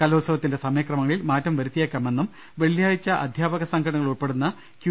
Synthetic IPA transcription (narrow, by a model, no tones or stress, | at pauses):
kɐloːsɐʋɐt̪ːinde̞sɐmɐjɐkrɐmɐŋɐɭilmaːtːɐmʋɐɾut̪ːijekːaːme̞nːum | ʋe̞ɭjaːjit͡ɕːɐʔɐd̪ʱjaːbɐɣɐsɐŋɡʰɐɳɐŋːɐɭuɭpe̞ɽunːɐ | kj